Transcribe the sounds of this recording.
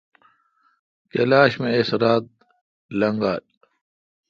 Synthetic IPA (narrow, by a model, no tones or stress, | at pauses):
kelaːɕmẽesɾaːt̪̚ | lɐŋɡaːl